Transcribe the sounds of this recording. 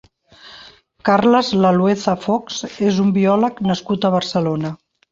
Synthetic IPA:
karləzləlweθəfɔksezumbiɔləknəskut̪əβəɾsəlonə

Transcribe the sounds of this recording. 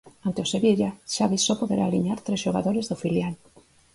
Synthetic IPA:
ant̪eoseβiʎaʃaβisɔpoðeɾʔaːliɲaɾt̪ɾesʃoɣa̰ðoɾezðofiljal

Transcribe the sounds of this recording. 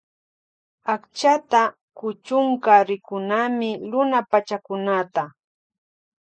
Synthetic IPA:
akt͡ʃat̪a | kʊt͡ʃʊŋkaɾɪkʊnamɪɾʊnapat͡ʃakʊnat̪a

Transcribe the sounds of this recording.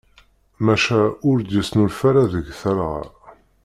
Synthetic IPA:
mæʃæʊɾd̪jəsnʊlfæɾaðəʝθəɾʁ̰ɾ

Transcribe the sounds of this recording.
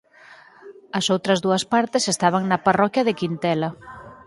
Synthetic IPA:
ɐsowt̪ɾɐzðuɐspaɾt̪ɪsest̪aβ̞ɐŋnɐparɔkjɐðɪkint̪ɛlɐ

